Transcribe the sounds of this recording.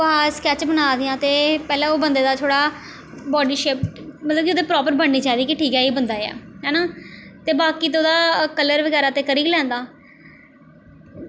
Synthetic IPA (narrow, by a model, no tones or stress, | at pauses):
ɦaːskɛːt͡ʃbənaːd̪ɪjãːt̪eːpɛːlɛ̃ːoːbənd̪eːd̪aːt̪ʰoːɽaː | bɔːɖiːʃeːpmət̪ləbkɪoːd̪eːpɾɔːpəɾbəɳniːt͡ʃaːd̪iːkɪʈʰiːkɛːiːbənd̪aːeɛ̰ːɦɛːnaːt̪eːbaːkiːt̪̬oːd̪aːkələɾʋəɡɛːɾaːt̪eːkəɾiːɡlɛ̃ːnd̪aː